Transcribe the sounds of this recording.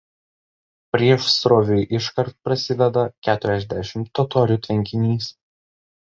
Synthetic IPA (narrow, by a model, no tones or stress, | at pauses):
pʲɾʲiɛʃsɾoːʋʲujʔɪʃkɐɾt̪̚pɾɐsʲɪd̪ʲɛd̪ɐkʲæːt̪ʊɾʲɛzʲd̪ʲæʃʲɪmt̪ːɔt̪ɔːɾʲuːt̪ʲʋʲɛŋʲkʲɪnʲiːs